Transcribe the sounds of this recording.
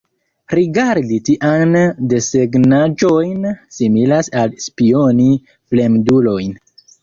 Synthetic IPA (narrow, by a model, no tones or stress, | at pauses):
ɾiɡaɾditiʔande̞seɡnad͡ʒo̞jnsimilasalspio̞ni | ple̞mdulo̞jn